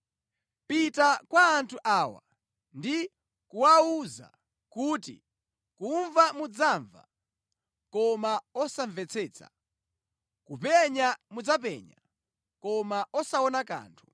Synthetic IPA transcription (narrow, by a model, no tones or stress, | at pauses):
pitakwaːntʰuʔaːwa̰ | ndi | kuwauza̰ | kuːtḭ | kuɱvamud͡zaːɱva̰ | kɔmaɔsaɱvɛt͡sʰɛːt͡sʰa̰ | kupɛɲamud͡zap̬ɛ̰ːɲa̰ | kɔmaʔɔsaɔnaka̰ːntʰu̥